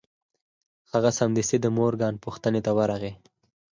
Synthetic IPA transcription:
haɣasamd̪ɪsed̪əmoɾɡɑnpuxt̪ənet̪awaɾaɣe

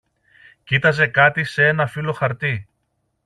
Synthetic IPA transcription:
cit̪ɐze̞kɐt̪isee̞nɐfilo̞xɐɾt̪i

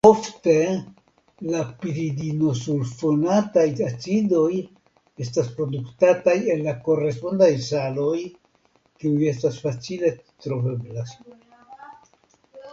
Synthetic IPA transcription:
o̞fte̞ | lapiɾidino̞sulfo̞natajtat͡sido̞j | e̞staspɾo̞duktataje̞nlːako̞ɾe̞spo̞ndajsalo̞j | kiuje̞stasfat͡sile̞ | t̪ɾo̞ve̞blas

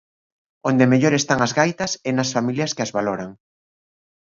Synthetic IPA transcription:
ond̪emeʎoɾest̪aŋɐzɣajt̪ɐsɛnɐsfamiljɐskeɐzβaloɾaŋ

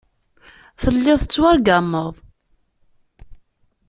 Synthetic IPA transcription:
θəlːɪðˤθət͡sːwaɾɡamːəðˤ

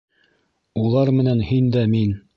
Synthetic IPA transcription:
ulˠɑɾmɘ̆nænhind̪æmin

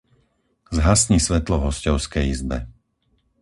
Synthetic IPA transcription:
zɦasɲisʋɛt̪lɔɦɔscɔʊskɛjizbɛ̰

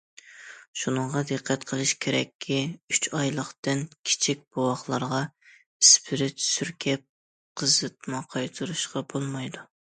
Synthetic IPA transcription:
ʃunəɴʁɑd̪ɨqʰːɛt̪qʰəlˠɨʃkʲʰeɾɛ̰kʲʰːiyt͡ʃʰɑjlˠəχt̪ɨnkʲʰi̥t͡ʃʰik̚ʲb̥owɑχlˠɑɾʁɑ | ispʰɪɾɪt͡ʃ̪ʰsyɾkʲʰɛp̚ | qʰəzɨt̪̚mɑqʰɑjt̪ʰɨɾuʃqɑbolˠmɑjd̪u

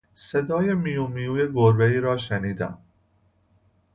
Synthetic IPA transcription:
sed̪ɒːjemijuːmijuːjeɡoɾbeiːɾɒːʃeniːd̪æ̰m

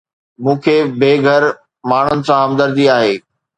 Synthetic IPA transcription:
mũːkʰeːbeːɡʱəɾ | maːɳ̤ənɪ̆sãɦɐmd̪əɾd͡ʑiaːɦeː

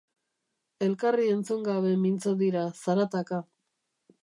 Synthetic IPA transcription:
e̞lkarie̞nt͡suŋɡaβe̞mint͡soðiɾasaɾat̪aka

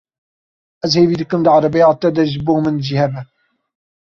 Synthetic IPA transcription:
ɛzheːviːd̪ɨkɨmd̪əʕɑɾɑbejɑːt̪ɛd̪ɛʒɨboːmɨnʒiːhɛbɛ

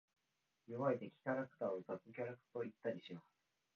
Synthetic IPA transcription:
joβaet̪e̞kʲi̥kʲaɾakɯ̟̥t̪aːozat͡sɨkʲaɾakɯ̟̥t̪o̞it̪ːaɾʲiɕimasɨ̥

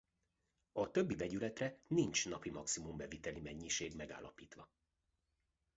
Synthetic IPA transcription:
ɒt̪ø̞bːivɛɟylɛt̪rɛnint͡ʃnɒpimɒksimumbɛvit̪ɛlimɛɲːiʃeːɡmɛɡa̰ːlːɒpiːt̪ʋɒ

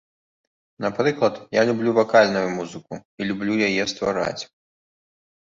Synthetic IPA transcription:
napɾɨklˠɐt̪jalʲublʲuvakalʲnujʊmuzɨkuilʲublʲujajɛst̪va̰ɾa̰t͡sʲ

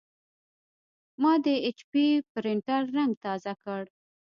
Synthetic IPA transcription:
mɑd̪əet͡ʃpipɾɪɳʈaɾːaŋɡt̪ɑzakəɽ

